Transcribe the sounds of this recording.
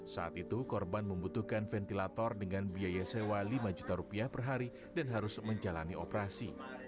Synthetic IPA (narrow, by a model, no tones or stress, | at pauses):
sa̰ʔat̪it̪ukɔrbanməmbut̪uhkanfɛnt̪ilat̪ɔrdəŋanbiajasewalimad͡ʒut̪aɾupiahpərɦaɾi | danɦaɾʊsməɲd͡ʒalaniʔopəɾasḭ